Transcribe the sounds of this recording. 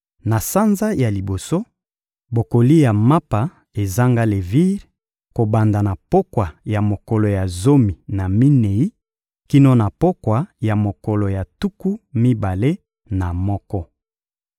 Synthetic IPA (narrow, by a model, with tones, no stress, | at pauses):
na˨sa˦nza˦ja˨li˨bo˨so˦ | bo˨ko˨li˦ja˨ma˦pa˨ | e˨za˦ŋɡa˦le˨vi˦ʁ | ko˨ba˨nda˨na˨po˦kwa˨ja˨mo˨ko˨lo˨ja˨zo˦mi˨na˨mi˦ne˨i˦ | ki˦no˦na˨po˦kwa˨ja˨mo˨ko˨lo˨ja˨tu˦ku˦mi˦ba˨le˦ | na˨mɔ˦kɔ˦